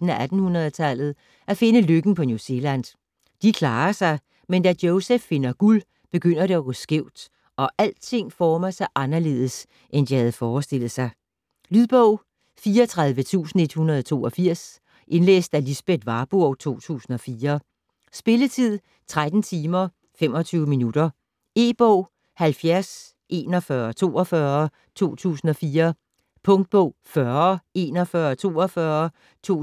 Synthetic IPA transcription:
n̩æʔæd̥n̩hunɐð̞ˠət͡sʰæl̰ð̞̩ˠ | ʔæfe̝nəløɡ̥n̩pʰɒ̽njuse̝læn | d̥ikʰlɑ̈ːɐsɑ̈ɪ | mend̥ædjoʊsefːe̝nɐɡ̥ul | b̥e̝ɡ̥øn̰ɐɾeɒɡ̥ɔsɡ̥eʊ̰d̥ | ɒ̽ʔæl̰t͡sʰe̝ŋ̰fɒːmasɑ̈ɪʔɑ̈nɐle̝ːðˠəs | ʔend̥ihæð̞̩ˠəfɒːsd̥e̝l̰ð̩ˠsɑ̈ɪ | lyðˠb̥ɔʊ̰ | fiːɐɒt͡sʰʁɑ̈ð̞ˠʋət͡sʰṵːsn̩e̝d̥hunɐð̞ˠɒt͡sʰo̝̰ːɒfiɐ̰s | ʔe̝nlḛːsd̥ælisb̥ed̥ʋɑ̈ːb̥uɒʊt͡sʰo̝̰ːt͡sʰṵːsn̩ɒ̽fiːɐ | sb̥e̝lət͡sʰið̰ˠ | t͡sʰʁad̥n̩t͡sʰiːmɐ | fem̰ɒ̽t͡sʰyːʊminud̥ɐ | e̝̰ːb̥ɔʊ̰ | hælfjæɐs | ʔe̝̰ːnɒ̽fɶːɐt͡sʰo̝̰ːɒ̽fɶɐ | t͡sʰo̝̰ːt͡sʰṵːsn̩ɒ̽fiːɐ | pʰɔ̽ŋd̥̚b̥ɔʊ̰fɶɐe̝ːnɒfɶːɐt͡sʰo̝̰ːɒfɶɐ | t͡sʰo̝̰

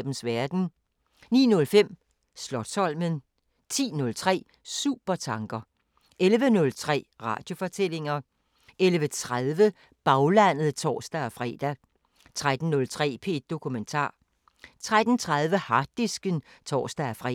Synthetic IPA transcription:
b̥n̩sʋæɐd̥n̩ | nḭːnɔ̽lfem̰ | slɒ̽d̥sɒ̽l̰mən | t͡sʰḭːnɔ̽lt͡sʰʁɛ̰ː | sṵːb̥ɐt͡sʰɑ̈ŋɡ̥ɐ | ʔelʋənɔ̽lt͡sʰʁɛ̰ːʁɑ̰̈ːd̥jo̝fɒ̽t͡sʰel̰e̝ŋɐ | elʋət͡sʰʁaðˠʋə | b̥ɑ̈ʊlæn̰ð̩ˠt͡sʰɒ̰ːsd̥æɒfʁɛ̰ːd̥æ | t͡sʰʁad̥n̩ːɔ̽lt͡sʰʁɛ̰ːpʰe̝̰d̥̚ːo̝kʰument͡sʰɑ̰̈ː | t͡sʰʁad̥n̩t͡sʰʁað̞ˠʋəhɑ̈d̥isɡ̥ənt͡sʰɒ̰ːsd̥æfʁɛ

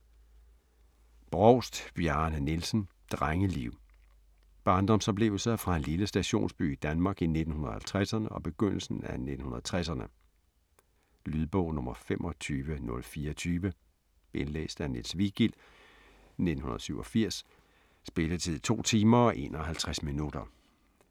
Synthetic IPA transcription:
b̥ʁɒʊ̰sd̥b̥jɑnənilsn̩d̥ʁaŋəliʊ̰ | b̥ɑ̈ːnd̥ɒ̽msɒ̽b̥le̝ʊl̩sɐfʁɑ̈hænliləsd̥æɕo̝̰ːnsb̥y̰id̥ænmɑ̈ːɡ̥ine̝d̥n̩hunɐhælt͡sʰʁasɐnəɒ̽b̥e̝ɡ̥øn̰l̩sn̩æned̥n̩hunɐðˠt͡sʰʁasɐnə | lyðˠb̥ɔ̰ʊ̰nɔ̽mɐfemʔɒt͡sʰyːʋənɔ̽lfiːɐt͡sʰyːʋə | e̝nlḛːsd̥ænelsʋiɡ̥il̰ | ne̝d̥n̩hunɐðˠsyʊ̰ɒfiɐ̰sː | b̥e̝lət͡sʰið̰ˠt͡sʰo̝̰ːt͡sʰiːmɐɒ̽ʔe̝̰nɒɦælt͡sʰʁasminud̥ɐ

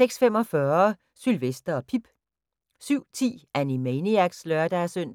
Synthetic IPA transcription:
seɡ̥sfem̰ɒ̽fɶɐ | sylʋesd̥ɐɒ̽pʰib̥ | syʊ̰t͡sʰḭːænimeniæɡ̥slœɐd̥æɐsøn̰

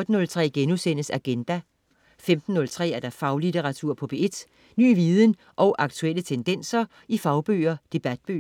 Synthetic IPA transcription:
d̥ən̩ɔ̽lt͡sʰʁɛ̰ːɡ̥enusen̰əsæɡ̥end̥æ | femd̥n̩ːɔ̽lt͡sʰʁɛ̰ːæɐɾ̥ɑ̈fɑ̈ʊlit͡sʰeʁɑ̈t͡sʰuɐ̰pʰɒ̽b̥ee̝d̥ | ny̰ːʋiːðˠən | ʔɒ̽ʊʔɑ̈ɡ̥t͡sʰuelət͡sʰend̥en̰sɐ | ifɑ̈ʊb̥ø̰ːɐd̥e̝b̥æd̥̚b̥ø̰

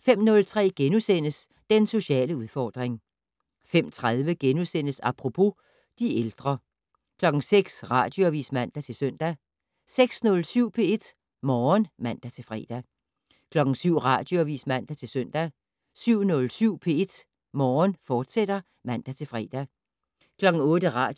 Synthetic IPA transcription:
fem̰nɔ̽lt͡sʰʁɛ̰ːɡ̥enusen̰əs | d̥enso̝ɕɛ̰ːləuð̞ˠfɒːd̥ʁeŋ | fem̰t͡sʰʁað̞ˠʋəɡ̥enusen̰əsɑpʰʁo̝pʰo̝ | d̥ield̥ʁɐ | kʰlɒ̽ɡ̥ŋ̩seɡ̥sʁɑ̈d̥jo̝æʋḭːsmæn̰d̥æt͡sʰe̝lsœn̰d̥æ | seɡ̥snɔ̽lsyʊ̰pʰe̝e̝d̥ | mɒːnmæn̰d̥æt͡sʰe̝lfʁɛ̰ːd̥æ | kʰlɒ̽ɡ̥ŋ̩syʊ̰ʁɑ̈d̥jo̝æʋḭːsmæn̰d̥æt͡sʰe̝lsœn̰d̥æ | syʊ̰nɔ̽lsyʊ̰pʰe̝e̝d̥ | mɒːnfɒːd̥sed̥ɐ | mæn̰d̥æt͡sʰe̝lfʁɛ̰d̥æ | kʰlɒ̽ɡ̥ŋ̩ɔ̽ːdəʁɑ̥̈ː

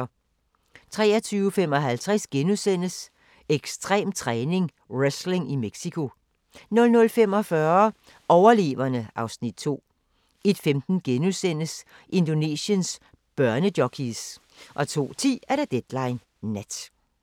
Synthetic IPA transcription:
t͡sʰʁɛ̰ːɐt͡sʰyːʊəfem̰ɒ̽ɦælt͡sʰʁɛsɡ̥enusen̰əs | eɡ̥sd̥ʁɛ̰ːmt͡sʰʁɛːne̝ŋ | ʁesle̝ŋimeɡ̥sikʰo̝ | nɔ̽lnɔ̽lfem̰ɒ̽fɶɐ | ʔɒʊɐle̝̰ːʋɐnəʔɑ̈ʊsnid̥̚t͡sʰo̝̰ː | e̝d̥femd̥n̩ɡ̥enusen̰əs | ʔe̝nd̥o̝ne̝̰səns | b̥ɶɐnəd̥jɒkʰis | ʔɒ̽t͡sʰo̝̰ːt͡sʰḭːæɐɾ̥æd̥ed̥lɑ̈ɪnː | ed̥

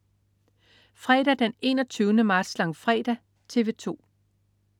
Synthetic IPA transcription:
fʁɛ̰ːɾ̥æd̥ene̝̰ːnɒt͡sʰyːʊnəmɑ̈ːd̥slɑ̈ŋfʁɛːd̥æ | t͡sʰe̝ʋe̝t͡sʰo̝̰ː

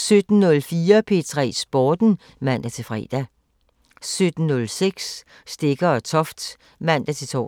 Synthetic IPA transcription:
sød̥n̩nɔ̽lfiːɐpʰe̝t͡sʰʁɛ̰ːsb̥ɒːd̥n̩ | mæn̰d̥æt͡sʰe̝lfʁɛ̰ːd̥æ | sød̥n̩ːɔlseɡ̥s | sd̥e̝ɡ̥ɐɒt͡sʰɒ̽fd̥ | mæn̰d̥æt͡sʰe̝t͡sʰɒ̰

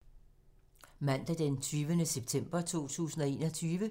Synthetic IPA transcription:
mæn̰d̥æd̥ent͡sʰyːʋənəseb̥̚t͡sʰem̰b̥ɐt͡sʰo̝̰ːt͡sʰṵːsn̩ɒ̽e̝ːnɒt͡sʰyːʋə

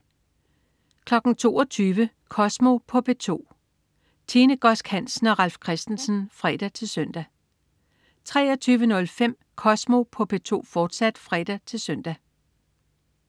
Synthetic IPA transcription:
kʰlɒ̽ɡ̥n̩t͡sʰo̝ːɒt͡sʰyːʋə | kʰɒ̽smo̝pʰɒ̽pʰet͡sʰo̝̰ː | t͡sʰiːnəɡ̥ɒ̽sɡ̥hæn̰sn̩ɒ̽ʁɑ̈lfkʰʁɛsd̥n̩sn̩fʁɛd̥æt͡sʰe̝lsœn̰d̥æ | t͡sʰʁɛːɐt͡sʰyːʋənɔ̽lfem̰ | kʰɒ̽smo̝pʰɒ̽pʰe̝t͡sʰo̝̰ːfɒːd̥sæd̥fʁɛd̥æt͡sʰe̝lsœn̰d̥æ

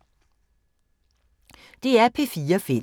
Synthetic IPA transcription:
d̪̥eːæːpʰeːfiːəfɪ

